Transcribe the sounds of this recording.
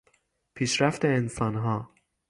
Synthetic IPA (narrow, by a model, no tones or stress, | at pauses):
pʰiʃɾæft̪eensɑnɦɑː